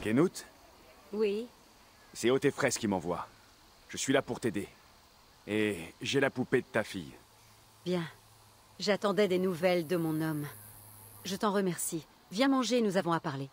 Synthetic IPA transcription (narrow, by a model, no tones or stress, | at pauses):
ɡenut̪ | wi | sɛot̪efχɛskʲimɑ̃vwa̰ | ʒ̥əsɥilapuʁt̪ed̪e | eʒelapuped̪ət̪afḭj | bjɛ̃ | ʒat̪ɑ̃d̪ɛd̪enuvɛld̪əmɔ̃nɔm | ʒət̪ɑ̃ʁəmɛʁsi | vjɛ̃mɑ̃ʒeːnuzavɔ̃apaʁle